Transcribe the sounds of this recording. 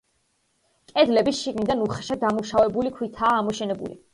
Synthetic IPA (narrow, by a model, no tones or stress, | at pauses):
kʼɛd̪lɛbisʃiɡnid̪anuχaʃad̪amuʃavɛbulikʰwit̪ʰaːmɔʃɛnɛbṵlḭ